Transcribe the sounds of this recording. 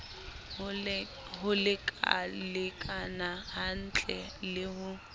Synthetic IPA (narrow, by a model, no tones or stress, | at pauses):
ɦʊlɪkʼa̰lɪkʼanahan̩t͡ɬʼɛlɪhʊ